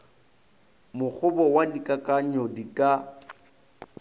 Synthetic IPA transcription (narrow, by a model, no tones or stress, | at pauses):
mʊk͡xʰʊbɔwadikʼakʼaɲɔdikʼa